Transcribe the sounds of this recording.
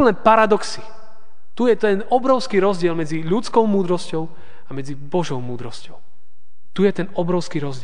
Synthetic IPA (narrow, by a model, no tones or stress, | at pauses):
lnɛpaɾad̪ɔksi | t̪ujɛt̪ɛnɔbɾɔʊskiɾɔzɟɪɛlmɛd͡ziʎut͡skɔʊmuːd̪ɾɔscɔʊ | amɛd͡zibɔʒɔʊmuːd̪ɾɔscɔʊ | t̪ujɛt̪ɛnɔbɾɔʊskiɾɔzɟɪ